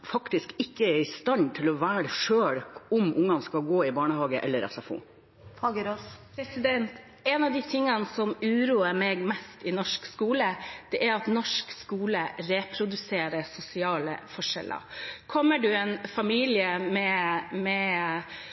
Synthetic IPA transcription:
fɑkt̪ɪskɪkːəɛɾɪst̪ɑnt̪ʰɪlɔʋæːɾʂøːɽʊmʔʊŋːɑnskɑlɡoːɪbɑːɳəhɑːɡəʔɛ̰lːəɾɛ̰sɑfṵː | t̪ʰɑɡəɾospʰɾɛsɪd̪ɛnt̪ | ɛnɑʋd̪ɪt̪ʰɪŋːənsɔmʉːɾuːəɾmeːɡmɛst̪ɪnɔʂkskuːləd̪̥ɛʔæɾɑt̪nɔʂkskuːləɾepʰɾʊd̪ʉseːɾəsʊsɪɑːlə̰fɔʂɛ̰lʔə̰ɾkʰɔmːəɖʉɛnfɑmiːlɪəmɛmɛ

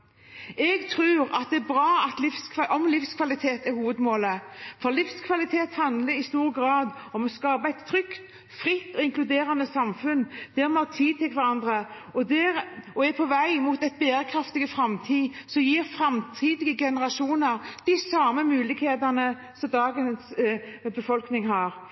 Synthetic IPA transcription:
ɛɡt̪ʰɾʉːɾɑt̪̚d̪ɛːbʁɑːɑt̪lɪfskʰʔɔmlifskʰʋɑlɪt̪ʰeːt̪æɾhuːʋəd̪moːləfɔlɪfskʰʋɑlɪt̪ʰeːt̪hɑnd̪ləɾɪst̪uːɾɡɾɑːd̪ɔmɔskɑːbəæɪt̪ːʰɾʏkt̪ | fɾɪt̪ːɔɪŋkʰlʉd̪eːɾənəsɑmfʉnd̪̥ɛɾmɔɑt̪ʰiːd̪̚t̪ɪlkʋæɾɑnd̪ɾəɔd̪ɛɾɔɛpʰɔʋæɪmut̪æɪt̪̚beːɾəkʰɾɑft̪ɪɡəfɾɑmt̪ʰiːsɔmjiːɾfɾɑmt̪ʰiːd̪ɪɡəɡɛnəɾɑʂuːnəɾd̪̥ɪsɑːməmʉːlɪɡheːd̪ənə | sɔmd̪ɑːɡənsbəfɔlknɪŋhɑɾ

